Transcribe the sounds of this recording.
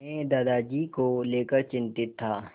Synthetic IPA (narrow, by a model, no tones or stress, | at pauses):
ẽd̪aːd̪aːd͡ʒiːkoleːkəɾt͡ʃɪ̃nt̪ɪt̪ʰːaː